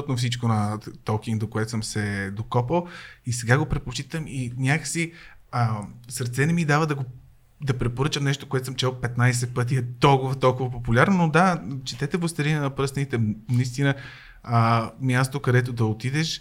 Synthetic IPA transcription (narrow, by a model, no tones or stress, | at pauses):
t̪nofsit͡ʃkonɐt̪ɔk̟iŋɡd̪okoɛt̪o̥səmsɛd̪okɔpəlˠisɛɡaɡopɾɛt̪̚pot͡ʃit̪əminʲakəsi | əsəɾt̪sɛnɛmid̪avəd̪ɐɡo | d̪ɐpɾɛpoɾɤt͡ʃəmnɛʃ̬t̪okoɛt̪osəmt͡ʃɛlˠpɛt̪najs̬ɛt̪̚pɤt̪̬iɛt̪ɔlˠkʊvɐt̪ɔlˠkʊvɐpopulʲaɾnonod̪at͡ʃɛ̥t̪ɛt̪ɛvost̪ɐɾinɛnɐpɾɤsɐnit̪ɛnɐist̪inə | əmʲjast̪okɐd̪ɛt̪̬od̪ɐot̪id̪ɛʃ